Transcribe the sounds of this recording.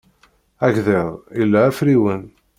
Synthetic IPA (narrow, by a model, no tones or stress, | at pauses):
æʝðeðˤilːæːfɾiwən